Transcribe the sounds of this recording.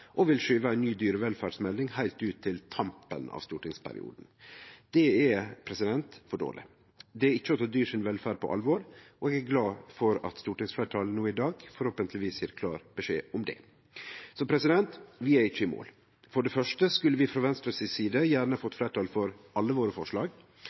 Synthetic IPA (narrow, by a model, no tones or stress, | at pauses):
ʔɔʋɪlʂyːʋəæɪnːyːd̪yːɾəʋɛlfæːɖsmɛlnɪŋhæɪlt̪ʉːt̪ʰːɪlt̪ʰɑmpə̰nɑ̰ːʋst̪uːʈɪŋspʰæ̰ɾɪ̰ṵːd̪n̩d̪̥ɛɛpʰɾɛsɪd̪ɛnt̪fɔɖo̰ːlɪ̰ | d̪ɛæɾɪt͡ʃːəɔt̪ʰɑd̪yːʂɪnʋɛlfæːɖ̚pʰɔ̰ʔɑ̰lʋɔɾɔɛɡæɾɡlɑːfɔɾɑ̰t̪st̪uːʈɪŋsflæːʈʰɑːlənuːɪd̪ɑːɡfɔɾhoːpənt̪ʰlɪʋiːsjæːɾkʰlɑ̰ːɾb̥əʂeːʊmd̪ɛ̰ː | sɔpʰɾɛsɪd̪ɛnt̪ʋɪæɾɪt͡ʃːəɪmo̰ːl | fɔɖɛfœʂʈəskʉlːəʋɪfɾɑʋɛnst̪ɾəsɪsiːd̪əjæːɾɳəfɔt̪ːfleːʈʰɑːlfɔɾɑlːəʋoːɾəfɔʂlɑːɡ